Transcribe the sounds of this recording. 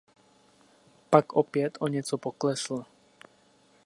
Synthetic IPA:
pakɔpɪɛt̪ɔɲɪɛt͡sɔpɔklɛsl̩

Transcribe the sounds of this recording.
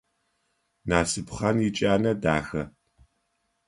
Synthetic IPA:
naːsɨpχɐnjit͡ʃʼaːnɐdaːxɐ

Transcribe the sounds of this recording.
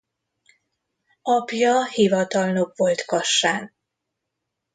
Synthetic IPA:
ɒpjɒhivɒt̪ɒlno̞kʋo̞lt̪kɒʃːaːn

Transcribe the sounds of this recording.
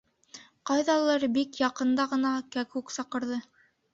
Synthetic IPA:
qɑjðɑlˠɤɾbikjɑqɤ̆nd̪ɑʁɤ̆nɑkækʉksɑqɤ̆ɾðɤ

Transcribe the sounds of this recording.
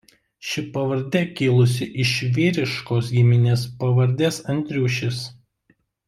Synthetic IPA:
ʃʲɪpɐʋɐɾʲd̪ʲɛkʲɪːlˠʊsʲɪʔɪʃʲʋʲiːɾʲɪʃkoːs̬ɡʲɪmʲɪnʲeːspɐʋɐɾʲd̪ʲeːsɐnʲˑt̪ʲɾʲuːʃʲɪs

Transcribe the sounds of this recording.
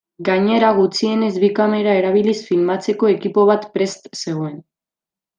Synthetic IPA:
ɡaɲe̞ɾaɣ̞ut͡sie̞ne̞zβikame̞ɾae̞ɾaβ̞ilisfilmat͡se̞ko̞e̞kipo̞β̞at̪pɾe̞st̪se̞ɣ̞oe̞n

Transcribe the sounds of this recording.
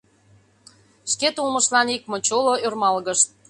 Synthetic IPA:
ʃket̪ulmə̆ʃlɑnik̚mŏt͡ɕoloørmɑlɣəʃt̪̚

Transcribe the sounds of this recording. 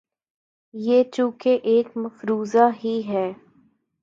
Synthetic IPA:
jeːt͡ʃũːkeʔeːkmɐfɾuːzaɦiɦɛː

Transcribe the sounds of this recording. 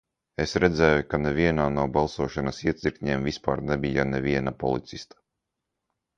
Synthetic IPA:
esɾɛd̪zɛːjukanɛvʲiɛnaːnuɔbalˠsuɔʃanɐsiɛt̪sʲiɾkɲeːmvispa̰ːɾnɛbijanevʲiɛnapɔ̰lˠit̪sist̪ḁ

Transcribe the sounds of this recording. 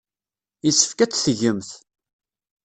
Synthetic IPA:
isːə̥fkæt͡sːθəʝəmθ

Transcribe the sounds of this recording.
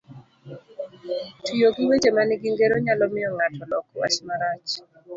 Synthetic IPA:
tujoɡiwed͡ʒemanɪɡiŋɡeɾoɲalɔmɪɔŋatʰɔlɔkwa̰t͡ʃmaɾat͡ʃ

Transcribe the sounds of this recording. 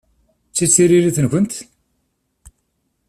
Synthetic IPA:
t͡sːit͡sːiɾiɾiθənkənt̪

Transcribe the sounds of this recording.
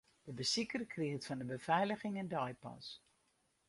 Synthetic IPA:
d̥əbəsikərkʰrɪətfɔndəbəfɛjləɣɪŋɛndɔjpɑ̰s

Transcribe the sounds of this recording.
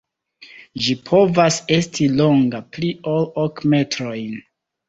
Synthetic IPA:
ʒipʰo̞vase̞stʰilo̞ŋɡapliʔolokme̞tɾo̞jn

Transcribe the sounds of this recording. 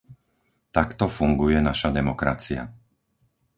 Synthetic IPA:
t̪akt̪ɔfuŋɡujɛnaʃad̪ɛmɔkɾa̰t͡sia̰

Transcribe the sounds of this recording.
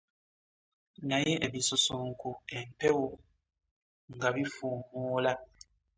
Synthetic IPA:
najeʔeβisusuŋkuempewo | ŋɡaβifumuːla

